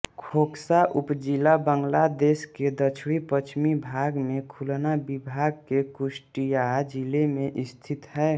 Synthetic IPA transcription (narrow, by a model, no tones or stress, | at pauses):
kʰoːksaʔupd͡ʒilabəŋɡlad̪eːsked̪ət͡ʃʰɽipət͡ʃʰmibʱaɡmẽkʰulnabibʱaɡ̚kekʊsʈijad͡ʒilemẽʔɪst̪ʰit̪ɦɛ